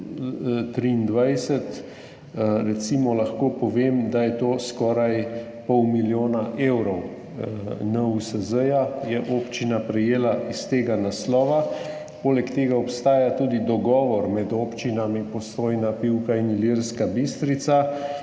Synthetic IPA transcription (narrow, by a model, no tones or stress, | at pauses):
t̪ɾiːnd̪ʋajsɛt̪ | ɾɛt̪simɔlaxkoːpɔʋeːmd̪ajɛt̪oːskɔːɾaj | pɔwmiljoːnaʔewɾɔw | nəusəzəjajɛʔoːpt͡ʃinapɾɛjeːlaist̪eːɡanaslɔːʋa | poːlɛkt̪eːɡaɔpst̪aːjat̪uːd̪id̪ɔɡɔːʋɔɾmɛd̪oːpt͡ʃinamipɔsoːjnapiwkainiliɾskabist̪ɾit̪sa